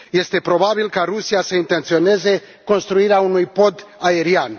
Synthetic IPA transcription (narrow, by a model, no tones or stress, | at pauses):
je̞st̪e̞pɾo̞babilkaɾusiasəint̪e̞nt̪sio̞ne̞ze̞ | ko̞nst̪ɾuiɾeaunujpo̞d̪ae̞ɾian